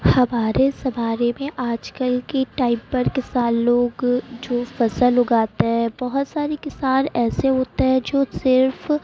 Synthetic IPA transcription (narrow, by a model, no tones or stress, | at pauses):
hɐmaːɾesɐmaːɾemẽʔaːd͡ʒkəlkeʈaːɪpːɐɾkɪsaːnloːɡd͡ʒoːfɐsəlɦʊɡaːt̪eɦɛ̃bɐɦʊt̪saːɾekɪsaːɾɛːseɦoːt̪eɦɛ̃d͡ʒoːsɪɾf